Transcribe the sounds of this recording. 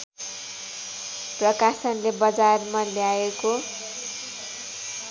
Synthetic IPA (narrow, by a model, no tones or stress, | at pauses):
prʌkasʌnlebʌd͡zarmaljaeko